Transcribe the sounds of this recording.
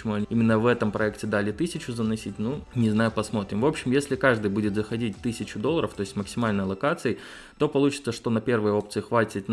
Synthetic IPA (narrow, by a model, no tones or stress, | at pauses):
ɪmuɐnʲimʲɪnːəvɛt̪əmpɾɐɛktʲɪd̪alʲɪt̪ɨsʲɪt͡ɕʊzənɐsʲit̚ʲnunʲɪznajʊpɐsmo̞t̪ɾʲɪmvo̞pɕːɪmjesʲlʲɪkaʐd̪ɨjbudʲɪt̪zəxɐdʲit̚ʲt̪ɨsʲɪt͡ɕʊd̪o̞lˠːəɾəft̪o̞ɪsʲtʲməksʲɪmalʲnəjəlˠɐkat̪sɨɪ | t̪o̞pɐlˠut͡ɕɪ̥t̪səʂt̪o̞nɐpʲe̞rvəjo̞pt̪sɨɪxvatʲɪt̪n